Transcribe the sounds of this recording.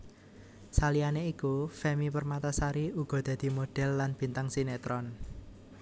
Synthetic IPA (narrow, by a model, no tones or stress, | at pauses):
salianeikufɛmipərmat̪asaɾiuɡ̥ɔ̤d̪̥a̤d̪̥i̤moɖ̥ɛ̤lːanb̥i̤nt̪aŋsinet̪ɾɔn